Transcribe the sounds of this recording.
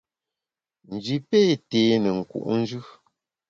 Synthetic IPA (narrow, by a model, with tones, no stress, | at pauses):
n̩˨d͡ʒi˨pe˦teː˨˦nɛ˨ŋ̩˨kṵ˨ʔn̩˦d͡ʒʉ˦